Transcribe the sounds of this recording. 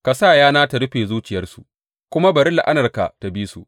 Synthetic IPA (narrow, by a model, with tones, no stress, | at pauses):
ka˨saː˦˨jaː˦naː˦ta˨ɽʊ˦ɸeː˨zuː˦t͡ʃɪ˨jɐ˦rsu˨ʔ | kʷʊ˦ma˦bɐ˨ɾɪ˦la˨ʔa˦nɐ˨rka̰˨ta˨biː˦su˨